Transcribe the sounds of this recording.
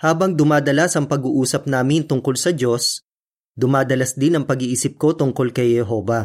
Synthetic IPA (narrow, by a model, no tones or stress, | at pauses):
haːbɐŋd̪ʊmaːd̪ɐlasɐŋpɐɡuːʔuːsɐp̚naːmɪnt̪ʊŋko̞lsɐd͡ʒo̞s | d̪ʊmaːd̪ɐlɐsd̪ɪnɐŋpɐɡiʔiːsɪp̚ko̞t̪ʊŋko̞lkɐjhɛɦo̞ːvɐ